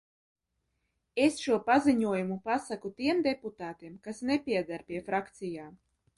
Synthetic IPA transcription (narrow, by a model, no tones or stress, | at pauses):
esʃuɔpaziɲuɔjumupasakut̪iɛmd̪eput̪aːt̪iɛmkasnepʲiɛd̪aɾpʲiɛfɾakt̪sijaː